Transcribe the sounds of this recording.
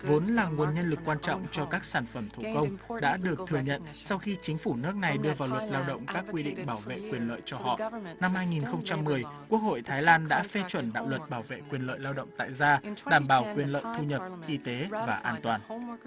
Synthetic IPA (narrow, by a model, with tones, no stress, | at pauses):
vo˨˦nlaː˨˩ŋu˨˩ənɲə˧nlɨ˨˩kːwaː˧nt͡ɕɔ̰˧˨wŋ͡mt͡ɕɔ˧kaː˦˥k̚saː˧˩nfə˧˩mt̪ʰu˧˩kə˧wŋ͡mɗa̰ː˧˥ɗɨ˨˩ək̚t̪ʰɨ˨˩əŋɲə̰˧˨n | sa˧wxi˧t͡ɕï˨˦ŋ̟fu˧˩nɨ˦˥k̚na˨˩jɗɨ˧əvaː˨˩wlwə˨˩t̚laː˧wɗə̰˧˨wŋ͡mkaː˦˥kːwi˧ɗḭ˧˨ŋ̟ɓaː˧˩wvḛ˧˨kwi˨˩ənlə̰ː˧˨jt͡ɕɔ˧hɔ̰˧˨na˧mhaː˧jŋi˨˩nxə˧wŋ͡mt͡ɕa˧mːɨ˨˩əjku˦˥ək̚ho̰˧˨jt̪ʰaː˨˦jlaː˧nɗa̰ː˧˥fe˧t͡ɕwə˧˩nɗa̰ː˧˨wlwə˨˩t̚ɓaː˧˩wvḛ˧˨kwi˨˩ənlə̰ː˧˨jlaː˧wɗə̰˧˨wŋ͡mt̪a̰ː˧˨jzaː˧ɗaː˧˩mɓaː˧˩wkwi˨˩ənlə̰ː˧˨jt̪ʰu˧ɲə˨˩p̚ʔi˧t̪e˨˦vaː˨˩ʔaː˧nt̪waː˨˩n